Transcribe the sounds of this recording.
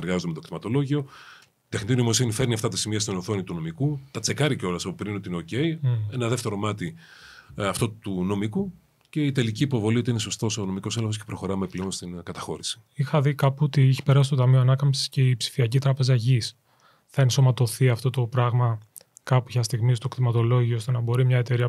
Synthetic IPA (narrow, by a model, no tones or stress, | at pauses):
eɾɣɐzot̪umet̪okt̪imɐt̪o̞lo̞ʝio̞ | t̪exnit̪inoimo̞sinife̞ɾniɐft̪ɐt̪ɐsimiɐst̪onoθo̞nit̪uno̞mikut̪ɐt͡se̞kɐɾiceo̞lɐsɐpopɾinot̪iineoce̞ie̞nɐðeft̪e̞ɾo̞mɐt̪i | ɐft̪ot̪uno̞miku | ce̞it̪e̞liciːpo̞vo̞liot̪iine̞so̞st̪osono̞miko̞selexosce̞pɾo̞xo̞ɾɐme̞pleo̞nst̪inkɐt̪ɐxo̞̰ɾisi̥ixɐðikɐpuot̪iɛçi̥peɾɐsist̪o̞t̪ɐmioɐnɐkɐmsi̥sce̞ipsi̥fiɐcit̪ɾɐpe̞zɐʝis | θɐinso̞mɐt̪o̞θiɐft̪o̞t̪o̞pɾɐɣmɐ | kɐpuçɐst̪iɣmist̪okt̪imɐt̪o̞lo̞ʝiost̪e̞nɐbo̞ɾimɲɐe̞t̪e̞ɾiɐ